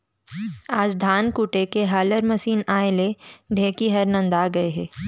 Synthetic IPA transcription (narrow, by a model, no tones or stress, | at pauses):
aːd͡ʒd̪ʱaːnkuːʈekeɦaːləɾmɐʃiːnaːeleɖʱẽːkiɦɐɾnə̃nd̪aːɡɐeɦɛː